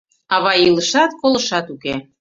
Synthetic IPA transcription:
ɑβɑjiləʃɑt̪koləʃɑt̪uke

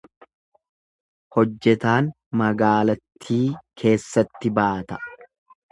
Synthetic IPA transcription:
hɔd͡ʒːɛt̪aːn | mɐɡaːlɐt̪ʰːiːkʰe̞ːsːɐt̪ːɪbaːt̪ɐ̥

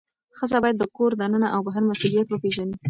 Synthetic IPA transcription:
xəzabɑjad̪ːəkoɾd̪anənaʔawbaɦaɾmasulijat̪̚bəpeʒani

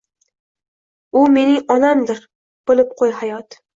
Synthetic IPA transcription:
ʊme̞nɪŋɒnamd̪ɪɾ | b̥ɪlˠɪp̚qʰojhajɒt̪

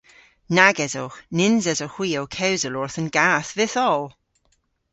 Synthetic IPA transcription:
naɡɛzowxnɪnzɛzoxw̥iːowkʰɛwzəlɔɹθənɡaːθvɪθɔlˠ

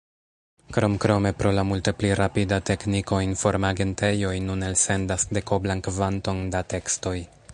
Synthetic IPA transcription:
kɾo̞mkɾo̞me̞pɾo̞lamulte̞pliɾʔapidate̞kniko̞info̞ɾmaɡe̞nte̞jo̞jnune̞lse̞ndasde̞ko̞blankvanto̞ndate̞ksto̞j

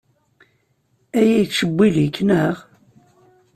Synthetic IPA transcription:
æjæjət͡sʃəbʷːilikːnəʁ

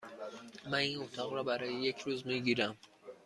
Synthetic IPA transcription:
maninot̪ʰɒʁɾɔbaɾɒjejekʰɾuzmiɡiɾam

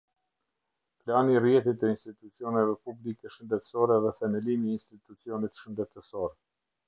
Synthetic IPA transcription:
planirjɛt̪it̪ɛinst̪it̪ut͡siɔnɛvɛpublikɛʃənd̪ɛt̪ə̥sɔɾɛðɛfɛmɛlimjɛinst̪it̪ut͡siɔnit̪ʃənd̪ɛt̪əsɔɾ

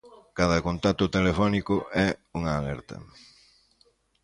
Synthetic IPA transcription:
kaðɐkont̪at̪ʊt̪elefɔnikʊɛuŋɐːlɛɾt̪ɐ̰

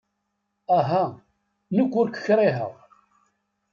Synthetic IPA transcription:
æɦæ | nəkʷːʊɾkʷːə̥çɾˤiɦə̰ʁ

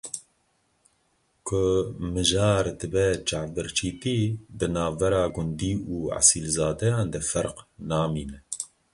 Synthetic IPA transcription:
kʰʊmɨʒɑːɾd̪ɨbɛt͡ʃaːvbɨɾt͡ʃʰiːt̪iːd̪ɨnɑːvbɛɾɑːɡʊnd̪iːuːʕa̰silzɑːd̪ɛjɑːnd̪ɛfɛɾqnɑːmiːnɛ

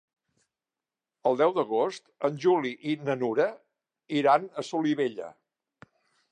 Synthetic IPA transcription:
əlˠd̪ɛwd̪əɣ̞ost̪ənʲʒuliʔinənuɾə | iɾanəsuliβeʎə̰

